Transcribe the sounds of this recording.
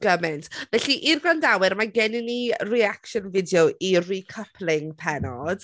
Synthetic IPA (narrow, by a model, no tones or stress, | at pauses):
ɡ̥əmɪntʰvɛɬiʔirɡɔndawɪɾmaɡɛnɪniriakʃɔnvɪdjoʔirikʰəpʰlɪŋpʰɛnɔd̥